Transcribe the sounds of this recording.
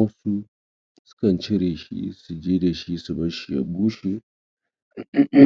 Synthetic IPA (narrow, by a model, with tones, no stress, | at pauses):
ɐ˦su˦ | sʊ̥˦kɐ˨nt͡ʃɪ˦ɾeː˨ʃḭ˦su˨d͡ʒeː˦da˨ʃi˦su˨bɐ˦ʃi˨ja̰˨buː˦ʃe˦˨˦